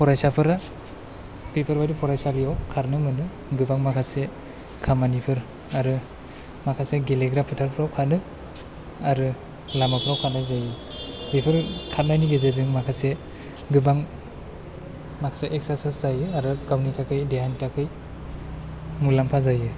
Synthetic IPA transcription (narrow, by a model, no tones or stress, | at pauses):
pʰɔɾajsapʰɯɾa | pipʰɯɾbajdipʰɔɾajsalijawkʰaɾnɯmɯnɯ | ɡɯbaŋmakʰase | kʰamanipʰɯɾ | aɾɯ | makʰaseɡeleɡɾapʰɯtʰaɾpʰɾawkʰanɯ | aɾɯ | lamapʰɯɾawkʰat̚najzajɯ | dipʰɯɾkʰat̚najniɡezedɯŋmakʰase | ɡɯbaŋ | makʰaseʔek̚sasaszajɯaɾɯɡawnitʰakʰɯjdeɦanitʰakʰɯj | mulampʰazajɯ